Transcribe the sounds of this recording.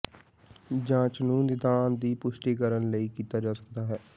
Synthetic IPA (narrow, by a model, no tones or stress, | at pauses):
d͡ʒãːt͡ʃənuːnːɪd̪aːnd̪iːpʊʃʈiːkəɾənləiːkiːt̪aːd͡ʒaːsə̥k̚d̪aːɦɛː